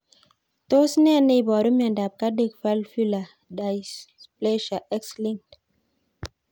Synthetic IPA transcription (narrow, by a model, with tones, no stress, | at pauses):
to˦snɛ˦˨ne˦˨bɔ˨ɾu˦miã˨nda˨p̚ka˦de˦˨kfa˦lfi˦la˨ | da˨jsplɛ˦ʃa˨ʔɛ˦ksli˦ŋt